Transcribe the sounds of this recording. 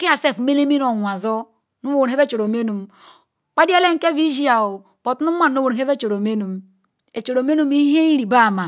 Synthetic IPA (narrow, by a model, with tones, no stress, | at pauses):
ki˦a˨se˦˨fme˦le˦mi˦n˦o˨nʷ˨a˨zo˦ | nu˦wu˨n˨e˦ve˦t͡ʃo˨ɾo˨me˦nu˨m | k͡pa˦di˦a˦le˦ŋ˦ke˦vi˦d͡ʒi˦a˨o˨ | po˨tnu˦ma˦nː˨˦o˦wu˨n˨ɦe˦ve˦t͡ʃo˨ɾo˨me˦nu˨m | e˨t͡ʃo˨ɾo˨me˦nu˦mi˦ɦe˦i˦ɾi˨ba˦˨ma˨